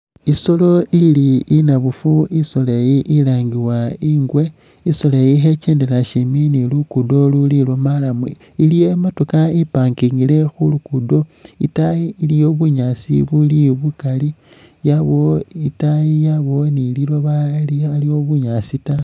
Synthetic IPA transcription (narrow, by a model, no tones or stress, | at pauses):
iso̞lo̞ʔiliːnaβufuisolajiʔilaːŋɡiwaiːŋɡwe̞ | isolajiɦe̞t͡ʃeːndelaʃiminilukudo̞lulilomalamḭ | ilijematukaipaːŋkiŋɡile̞xulukudo̞ḭtaiːlijo̞βuɲasḭβuliβukali | jaβo̞itajijaβo̞nililoβalialio̞βuɲasita